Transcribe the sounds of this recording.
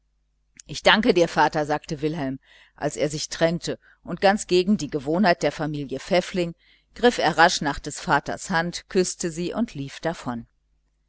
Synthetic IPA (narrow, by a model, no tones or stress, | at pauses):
ʔɪçd̥aŋkədiːɐfaːtɐzaːk̚təvɪlɦɛlm | ʔa̰lseːɐzɪçtʁ̥ɛntʰə | ʔʊnt̚ɡ̥ant͡sɡ̥eːɡŋ̩diːɡəvoːnhaɪt̚d̥eːɐfamiːljəfɛflɪŋ | ɡ̥ʁɪfeːɐʁaʃnaːχd̥ɛsfaːtɐ̰shantkʰʏstəziːʔʊntʰliːfd̥afɔn